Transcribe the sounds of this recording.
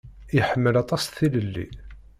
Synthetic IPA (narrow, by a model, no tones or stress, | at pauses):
iħəmːəlɑt̪ˤɑsθiləlːḭ